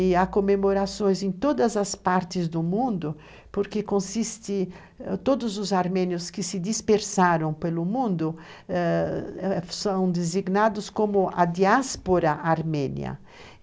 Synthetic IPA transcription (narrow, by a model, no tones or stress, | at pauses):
akomemoɾasõj̃zẽñt̪od̪ɐzɐspaɾt̪ɪzd̪ʊmũnd̪ʊ | poɾkekõsist̪ɪ | t̪od̪ʊzʊzaɾmɛ̃njʊskɪsɪd̪ispeɾsaɾɐ̃w̃pelʊmũnd̪ʊ | ɛ | sɐ̃w̃d̪eziɡnad̪ʊskomʊa̰d̪iaspoɾɐʔaɾmɛ̃nj̰ɐ̰